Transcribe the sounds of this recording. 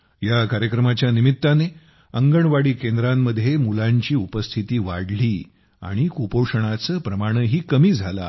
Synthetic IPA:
jakaɾjəkɾəmat͡ɕjanimit̪ːane | əŋɡəɳʋaɽiːkend̪ɾamːəd̪ʱːjemulaɲt͡ɕiːupəst̪ʰit̪iːʋa̰ɽliː | a̰ɽ̃ikupowʂəɳ̃at͡səːpɾəmaɽ̃əɦiːkəmiːd͡zʱala̰

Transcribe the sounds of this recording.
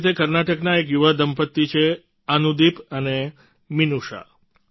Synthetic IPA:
t̪ʰekəɾnaʈəknaekjuʋad̪əmpət̪ːit͡ʃʰe | ənud̪ipəne | minuʃa̰

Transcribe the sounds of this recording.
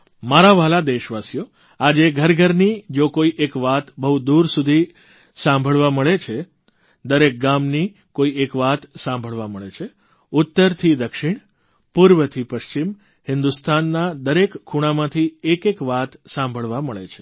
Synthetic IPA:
maɾaʋalad̪eʃʋasijo | ad͡ʒeɡʱəɾɡʱəɾnid͡ʒokoiʔekʋat̪bəɦud̪uɾsud̪ʱi | sãmbʱəɭʋaməɭet͡ʃʰe | d̪əɾek̚ɡamni | koiekʋat̪sãmbʱəɭʋaməɭet͡ʃʰe | ʊt̪ːəɾt̪ʰid̪əkʃiɳ̃ | puɾʋət̪ʰipəʃt͡ʃim | hɪnd̪ust̪ʰanːad̪əɾekʰːuɽ̃amãt̪ʰiekekʋat̪sãmbʱəɭʋaməɭḛt͡ʃʰe̥

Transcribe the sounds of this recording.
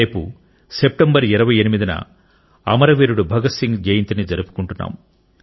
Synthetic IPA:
eːpu | sep̚ʈembɐɾiɾɐʋɐjɐnimid̪inɐ̰ | ɐ̰mɐɾɐʋiːɾuɽubʱɐɡɐsiŋɡɡejint̪inid͡ʒɐɾupu̥kuɳʈunːa̰ːm

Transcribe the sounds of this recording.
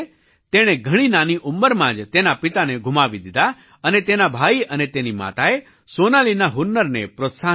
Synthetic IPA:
t̪eɽ̃eɡʱəɽ̃inaniʔʊmːəɾmãd͡ʒt̪enapit̪aneɡʱʊmaʋid̪id̪a | ənet̪enabʱaiənet̪enima̰t̪ae | sonalinaɦʊnːəɾnḛpɾot̪sa

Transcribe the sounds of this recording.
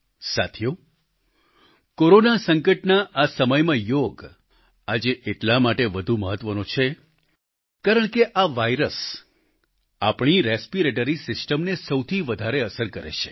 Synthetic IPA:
sat̪ʰjo | koɾonasəŋkəʈnaʔasəməjmãjoɡ | ad͡ʒeʔeʈlamaʈeʋəd̪ʱuməɦət̪ʋənõt͡ʃʰe | kaɾəɳkeʔaʋajɾəs | apɳ̃iɾespiɾeʈ̬əɾisɪsʈəmnesəwt̪ʰiʋəd̪ʱaɾeəsəɾkəɾḛʃe̥

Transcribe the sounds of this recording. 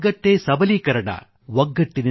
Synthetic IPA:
ɡɐʈːeːsɐbɐlikɐɾɐɳa̰ː | ʋɐŋɡɐʈːɪnɪ

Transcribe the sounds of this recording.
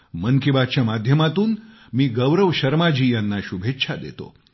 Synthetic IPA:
mənkibat͡ɕjamad̪ʱjəmat̪uːn | miːɡəʋɾəʋɕəɾmad͡ʑiːjanːaɕubʱet̪ːɕʰad̪ḛt̪o̰

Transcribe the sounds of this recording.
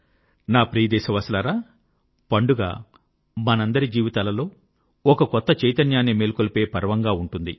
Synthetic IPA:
naːpɾiːd̪ɛːsɐʋɐslaɾaː | pɐɳɖuɡa̰ː | mɐnɐnd̪ɐɾid͡ʒiːʋit̪aːlɐlo̞ː | ɔkɐkɔt̪ːɐt͡ʃɐjt̪ɐnjaːnːimeːlkolpe̞ːpɐɾɐʋɐŋɡaːuɳʈund̪i

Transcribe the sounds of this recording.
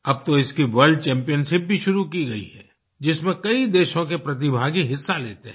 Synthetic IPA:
ɐb̚t̪oɪskiʋɐɾɖ̚t͡ʃɛ̃ːmpijənʃɪp̚bʱiʃʊɾukiɡɐḭɦɛ̰ː | d͡ʒɪsmẽkɐid̪eːʃõkepɾɐt̪̬ɪbʱaːɡiɦɪsːaleːt̪eɦɛ̃

